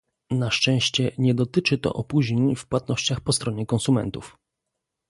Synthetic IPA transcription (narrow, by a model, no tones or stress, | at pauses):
naʂt͡ʂɛ̃ɕt͡ɕɛɲɛd̪ɔt̪ɘt͡ʂɘt̪ɔ̰ʔɔpuʑɲeɲfpwat̪̚nɔɕt͡ɕaxpɔst̪ɾɔɲɛkɔnsumɛ̰nt̪ṵf